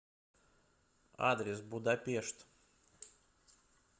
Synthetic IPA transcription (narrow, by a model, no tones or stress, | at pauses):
a̰d̪ɾʲɪs̬bʊd̪ɐpʲeʂt̪